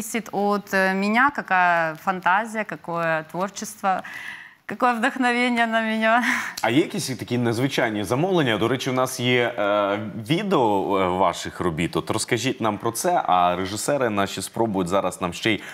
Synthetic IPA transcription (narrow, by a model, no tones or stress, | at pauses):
sʲɪt̪ot̪mʲɪnʲakɐkajəfɐnt̪azʲɪjəkɐkojət̪vo̞rt͡ɕɪst̪ʋə | kɐko̞jəvd̪əxnɐʋʲenʲɪjənəmʲɪnʲaɐjɛjɐkʲisʲt̪ɐkʲinɛzʋɪt͡ʃajnʲizɐmɔwlˠenʲːɐd̪ɔɾɛt͡ʃɪwnɑsjɛ | ʋʲid̪eɔʋɑ̰ʂɪxrɔbʲit̪ɔt̪ɾɔskɐʒʲitʲnampɾɔt̪sɛʔɐɾeʐɨsɛɾɪnaʃispɾobʊjʊtʲzɑɾɐsnamʃt͡ʃɛj